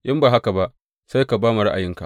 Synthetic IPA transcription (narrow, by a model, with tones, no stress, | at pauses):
jɪ˦mbaː˨ɦa˦ka˨ba˦ʔ | sa˦jka˨baː˦ma˨ɾa̰˦ʔa̰˨jɪ˦ŋka˨ʔ